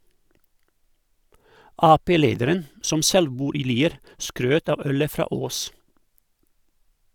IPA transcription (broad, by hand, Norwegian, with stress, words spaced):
ˈɑːpeːˌleːdəɾən ˈsɔm ˈsɛl ˈbuːɾ ˈiː ˈliːəɾ ˈskɾøːt ˈɑʋ ˈœlə ˈfɾɑː ˈoːs